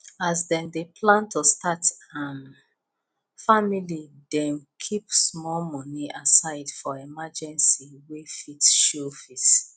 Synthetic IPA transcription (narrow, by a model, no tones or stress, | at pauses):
asdɛ̃ndepʰlãntʰostatãm | familidɛ̃nkʰipsmɔlmɔniʔasaɪdfɔɛmad͡ʒɛ̃nsiwefitʃofit